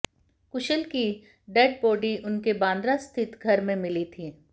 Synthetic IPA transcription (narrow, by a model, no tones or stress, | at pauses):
kʊʃəlki | ɖɛːɖ̚poːɖiʔʊnkebãːnd̪ɾast̪ʰɪt̪ɡʱɐɾmẽmɪlit̪ʰiː